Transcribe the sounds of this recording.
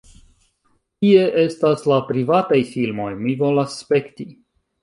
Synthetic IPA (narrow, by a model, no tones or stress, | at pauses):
kie̞ʔe̞staslapɾivatajfilmo̞jmivo̞lasːpe̞kti